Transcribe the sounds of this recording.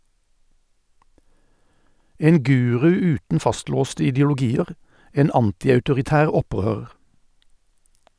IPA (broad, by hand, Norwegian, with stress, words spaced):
ˈeːn ˈɡʉːʁʉ ˈʉːtn̩ ˈfɑstloːstə ɪdəʊlʊˈɡiːəʁ ˈeːn ˈɑntɪɑʉtʊʁɪˌtæːʁ ˈɔˌpʁøːʁəʁ